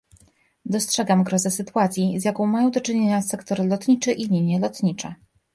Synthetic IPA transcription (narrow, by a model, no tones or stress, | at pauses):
d̪ɔstʂɛɡamɡɾɔzɛsɘt̪uat̪sʲjizʲjakɔ̃w̃majɔ̃w̃d̪ɔt͡ʂɘɲeɲasɛkt̪ɔɾlɔt̪ɲit͡ʂɘʔilʲiɲjɛlɔt̪ɲit͡ʂɛ̰